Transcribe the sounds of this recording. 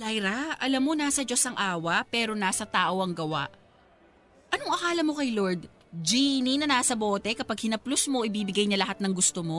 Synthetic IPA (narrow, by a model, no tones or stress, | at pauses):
lajɾaʔɐlɐmːonaːsɐd͡ʒo̞sɐŋʔaːwɐʔpɛːɾo̞naːsɐt̪aːʔo̞ɐŋɡɐwa̰ʔ | ʔɐnoŋʔɐkaːlɐmo̞kɐjlo̞ɹd̪̚ | d͡ʒiːninɐnaːsɐboːt̪ɛkɐpɐɡ̚hɪnɐplosmo̞ʔɪbiːbɪɡajɲɐlɐɦat̪̚nɐŋɡʊst̪omo̞